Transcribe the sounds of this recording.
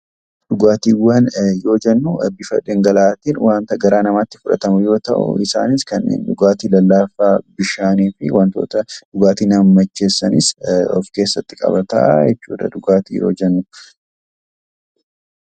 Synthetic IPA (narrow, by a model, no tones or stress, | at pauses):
ᶑʊɡaːt̪iːwːanjo̞ːd͡ʒɛnːʊbɪʃɐ̰ᶑeŋɡɐlaːt̪iːnwaːnt̪ɐɡɐɾaːnɐmaːt̪ːɪfʊᶑɐ̰t̪ɐmʊjo̞ːt̪ɐʔʊ̰ʔɪsa̰ːnɪskɐnːḛːnᶑʊɡaːt̪iːlɐlːaːfaːbɪʃaːniːfɪwɐnt̪o̰ːt̪ɐᶑʊɡaːt̪iːnɐmmɐt͡ʃːe̞ːsːɐnɪsɔ̰fke̞ːsːɐt̪ːɪkʼɐ̰bɐt̪ɐ̰jɛt͡ʃːuːᶑɐ̰ᶑʊɡaːt̪ḭːjo̞̰ːd͡ʒɛnːʊ